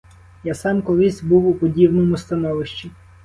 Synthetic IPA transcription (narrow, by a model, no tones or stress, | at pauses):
jasɑmkɔlˠɪsʲbuwʊpɔdʲibnɔmʊst̪ɐnɔʋɪʃt͡ʃi